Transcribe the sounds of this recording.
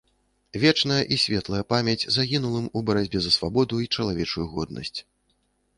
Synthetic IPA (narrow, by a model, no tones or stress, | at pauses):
vʲɛt͡ʂnɐjɐʔisʲvʲɛt̪lˠɐjɐpamʲɛd͡zʲzaɣʲinulˠɨmubɐɾad͡zʲbʲɛzɐsvabɔd̪uit͡ʂɐlˠavʲɛt͡ʂujuɣɔd̪̚nʔɐ̰sʲt͡sʲ